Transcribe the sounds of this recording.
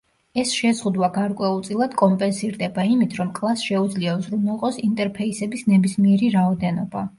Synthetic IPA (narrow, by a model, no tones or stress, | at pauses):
ɛsʃɛzʁud̪waɡaɾkʼwɛulˠt̪sʼilˠad̪kʼɔmpʼɛnsiɾd̪ɛbaimit̪ʰɾɔmkʼlˠasʃɛud̪zliazɾumɔqʼɔsint̪ʼɛɾpʰɛisɛbisnɛbismiɛɾiɾaɔd̪ɛnɔba